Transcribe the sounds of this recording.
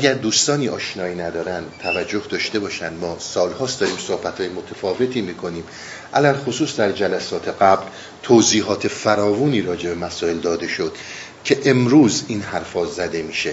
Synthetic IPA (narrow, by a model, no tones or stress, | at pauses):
æɟæɾd̪uːst̪ɒːniːʔɒːʃnɒːiːnæd̪ɒːɾænd̪t̪ʰævæd͡ʒːo̞hd̪ɒːʃt̪e̞bɒːʃænd̪mɒːsɒːlhɒːsd̪ɒːɾiːmsohbæt̪ʰhɒːjemot̪ʰæfɒːve̞t̪ʰiːmiːkʰo̞niːm | ʔælælxosuːsd̪æɾd͡ʒælæsɒːt̪ʰe̞ɡæbl | t̪ʰoziːɦɒːt̪ʰe̞fæɾɒːvuːniːɾɒːd͡ʒe̞be̞mæsɒːe̞ld̪ɒːd̪e̞ʃo̞d̪̥ | cʰe̞ʔemɾuːziːnhæɾfɒːzæd̪e̞miːʃe